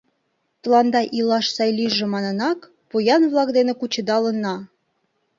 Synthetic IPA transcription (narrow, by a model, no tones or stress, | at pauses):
t̪əlɑnd̪ɑʔilɑʃsɑjliʒĕmɑnə̆nɑk | pujɑnβlˠɑkd̪enĕkut͡ɕə̆d̪ɑlənːɑ